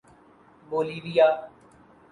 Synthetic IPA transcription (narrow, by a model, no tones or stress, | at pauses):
boːliːʋijaː